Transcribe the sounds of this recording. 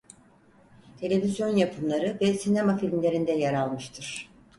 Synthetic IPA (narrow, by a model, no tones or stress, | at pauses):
t̪ʰe̞lʲe̞vizjo̞njapʰɯmlˠaɾɯvɛsinemafilʲmlʲe̞ɾind̪ɛjaɾalˠmɯʃt̪ʰɯɾ̥